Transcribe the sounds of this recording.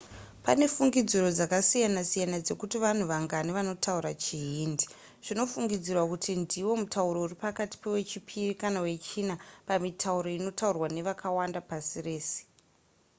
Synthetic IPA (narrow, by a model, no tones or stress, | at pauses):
pane̞fuŋɡid͡ziɾo̞d͡zakasijanasijanad͡ze̞kutiʋan̤uʋaŋɡaniʋano̞tʰauɾat͡ʃiɦiːndi̥ | ʐ̥ino̞fuŋɡid͡zirwakutʰindiwo̞mutauɾo̞uripakati̥pe̞we̞t͡ʃipʰirikanawe̞t͡ʃiːnapamitʰauɾo̞ino̞taurwane̞ʋakʰawandapasire̞ːse̥